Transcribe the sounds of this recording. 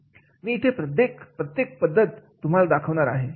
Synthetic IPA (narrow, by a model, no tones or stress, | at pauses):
miːt̪ʰepɾət̪jekpɾət̪jek̚pəd̪ʱːət̪ːum̤alad̪akʰəʋɳaɾaɦe